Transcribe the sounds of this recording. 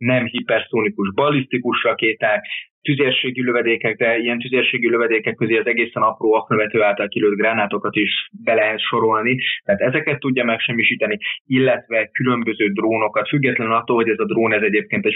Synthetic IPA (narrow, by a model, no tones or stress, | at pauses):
nɛmɦipɛrsoːnikuʒbɒlist̪ikuʃrɒkeːt̪aːkt̪yzeːrʃeːɡiløvɛd̪eːkɛkd̪ɛijɛnt̪yzeːrʃeːɡiløvɛd̪eːkɛkːøzeːɒzɛɡeːsɛnɒproːɒknøvɛt̪øːaːlt̪ɒlkiløːd̪̚ɡraːnaːt̪o̞kɒt̪iʃbɛlɛɦɛt̪ʃo̞ɾo̞lnit̪ɛat̪ɛzɛkɛt̪ːuɟːɒmɛkʃɛmːiʃiːt̪ɒniilːɛt̪ʋɛkylø̞mbø̞zøːd̪roːno̞kɒt̪fyɡːɛt̪lɛnnɒt̪ːoːlɦo̞ɟɛzɒd̪roːnɛzɛɟeːp̚keːnt̪ɛc